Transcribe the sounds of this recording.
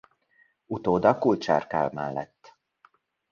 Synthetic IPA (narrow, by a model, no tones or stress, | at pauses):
ut̪oːd̪ɒkult͡ʃa̰ːrka̰lmɛ̰lːɛ̰t̪ː